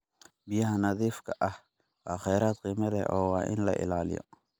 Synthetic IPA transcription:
bɪjɐɦɐnɐðiːfkʰɐʔɐh | wɑːχɛjɾaːd̪qiːmɐlɛʔɔːwaːʔɪ̰nlɐ̰ʔɪ̰laːlɪ̰jɔ̰

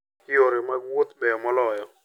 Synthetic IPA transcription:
ɪoɾemawot̪bɛjɔmɔlɔjɔ

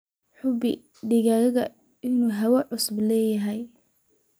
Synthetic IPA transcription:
ħʊbɪ | ɖɪɣaːɣɐɣɐ | ɪnuːɦɐwɐʕʊsʊblɛːjɐɦɛj

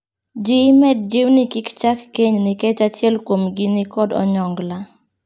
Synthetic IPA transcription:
d͡ʒɪmɛd̚d͡ʒɪwnɪkɪkt͡ʃakːeɲnɪkɛt͡ʃat͡ʃɛlkwomɡɪnɪkɔdɔ̰ɲɔŋɡla

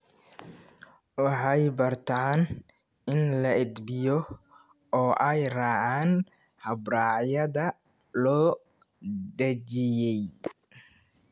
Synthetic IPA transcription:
wɑħɑjbɐrt̪ʰaːn | ɪnlɐʔɪd̪bɪjɔ | ɔːʔɛjraːʕaːn | hɐbraːʕjɐðɐ | lɔː | d̪ɐt͡ʃɪjɛj

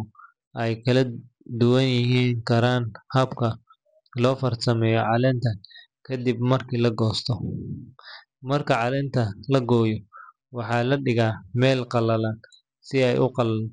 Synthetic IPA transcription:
ʔɛjkʰɐlɐ | d̪ʊwɐnjɪɦiːŋkʰɐɾaːnhɐbkʰɐ | lɔːfɐrt̪ʰɐmɛːjɔʕɑlɛːnt̪ʰɐ | kʰɐd̪ibmɐrkʰiːlɐɡɔːst̪ʰɔ | mɐrkʰɐʕɑlɛːnt̪ʰɐlɐɡɔːjɔ | wɑħɑːlɐɖɪɣaːmɛːlqɑlɐlaːn | sɪɛjʔʊqɑl

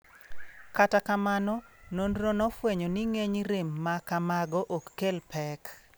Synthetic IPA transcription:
katakamanɔnonronɔfweɲɔniŋeɲɾemːakamaɡɔʔokːelpɛk

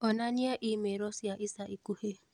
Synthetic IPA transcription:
ɔnaniaʔimeɾɔsiaʔisaʔikuhe

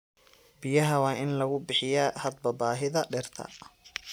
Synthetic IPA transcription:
bɪjɐɦɐwɑːʔɪnlɐɣʊbɪħɪjaːhɐd̪̚bɐbaːɦɪðɐɖɛrt̪ʰɐ̰

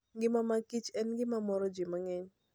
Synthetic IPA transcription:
ɡɪmamakit͡ʃɛnɡɪmamɔɾɔd͡ʒɪmaŋɛɲ

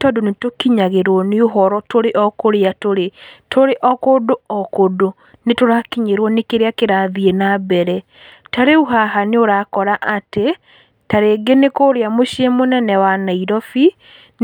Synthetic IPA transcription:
tɔdonetokiɲaɣeɾwɔneoɦɔɾɔtoɾeʔɔkoɾeatoɾetʰoɾeʔɔkodoɔkodo | netoɾakiɲeɾwɔnekeɾeakeɾaðienabɛɾɛ | taɾeuɦaɦaneoɾakɔɾaʔate | taɾeɡenekoɾeamoʃemonɛnɛwanaiɾɔfi | n

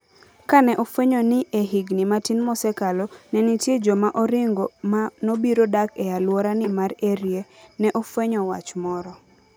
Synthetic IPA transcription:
kanɛʔofweɲɔnɪʔeɦiɡnimatinmɔsɛkalɔnɛnɪtjed͡ʒɔmaʔɔɾɪŋɡɔmanobiɾodakɛjalwɔɾanɪmaɾeɾjenɛʔofweɲɔwa̰t͡ʃmɔɾɔ

